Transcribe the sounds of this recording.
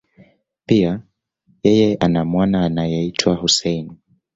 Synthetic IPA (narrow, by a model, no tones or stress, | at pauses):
pia | jɛjɛanamwanaːnajɛitʰwahusɛjni